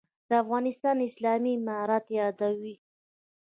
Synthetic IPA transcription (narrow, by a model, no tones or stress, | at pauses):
d̪̥əafɣɑnɪst̪ɑnɪslɑmimɑɾat̪jɑd̪awi